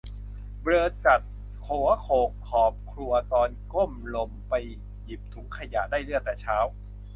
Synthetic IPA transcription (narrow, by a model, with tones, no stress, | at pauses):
bɾɤː˧t͡ɕa˨˩t̪̚ | kʰoː˨˩˦ɐkʰoː˨˩kʰːɔː˨˩p̚kʰɾu˧ɐt̪ɔː˧nko˥˩mlo˧mpa˧j | ji˨˩p̚t̪ʰu˨˦ŋkʰa˧ja˨˩ʔdaː˥˩jlɯ˥˩ək̚t̪ɛː˨˩t͡ɕʰaː˦˥w